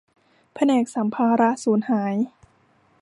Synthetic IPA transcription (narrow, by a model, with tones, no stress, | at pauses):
pʰa˧nɛː˨˩k̚sa˩˦mpʰaː˧ɾa˦˥suː˩˦nhaː˩˦j